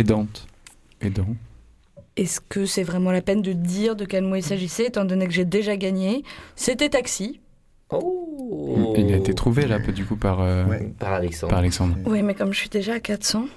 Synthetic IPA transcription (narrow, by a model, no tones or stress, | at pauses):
ed̪ɑ̃t̪ | ed̪ɑ̃ | ɛskəsɛvʁɛmɑ̃lapɛnd̪əd̪iʁd̪əkʲɛlmoilsaʒisɛːt̪ɑ̃d̪ɔnekəʒed̪eʒaɡaɲeset̪ɛt̪aksi | o | ilaet̪et̪χuvelapad̪ykupaʁøpaʁalɛksɑ̃paʁalɛksɑ̃d̪ʁwɛmɛkɔmʒəsɥid̪eʒaːkat̪sɑ̃